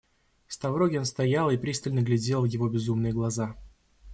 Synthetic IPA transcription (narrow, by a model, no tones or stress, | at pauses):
fst̪ɐvɾoɡʲɪonst̪ɐjalˠɪpɾʲist̪əlʲnəɡlʲɪdʲe̞lˠjɪvo̞bʲɪzumnɨjəɡlˠɐza